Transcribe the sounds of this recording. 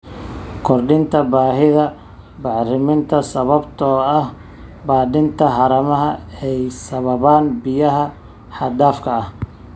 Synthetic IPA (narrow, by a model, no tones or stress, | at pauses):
kʰɔrɖɪnt̪ʰɐbaːɦɪðɐ | bɑʕrɪmɪnt̪ʰɐsɐβɐbt̪ʰɔːɐh | baːd̪ɪnt̪ʰɐɦɑɾɐmɐɦɐɛjsɐβɐβaːnbɪjɐɦɐ | ħɑd̪aːfkʰɐɐh